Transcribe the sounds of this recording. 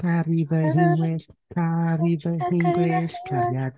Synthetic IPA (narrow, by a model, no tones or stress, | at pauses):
t̪arivɐzĩŋɡleʃt̪arivɐzĩŋɡleʃkɐɾiað